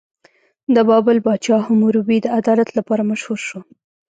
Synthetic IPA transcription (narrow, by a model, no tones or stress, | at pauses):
d̪əbɑbʊlbɑt͡ʃɑhʊmuɾubid̪əad̪ɑlat̪lapɑɾamaʃhuɾʃo